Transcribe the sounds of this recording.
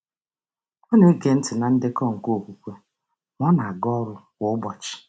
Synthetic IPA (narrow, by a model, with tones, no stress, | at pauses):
ɔ˦ne˦ɡe˨n̩˦tɪ˨na˨n̩˦dɪ˦kɔ˦˨ŋ̩˨ko˦˨kʷu˨kʷe˦ | m˦ɔ˦na˨a˨ɡɔ˦ɾʊ˦ | wʊ˨˦bɔ˨t͡ʃɪ̥˨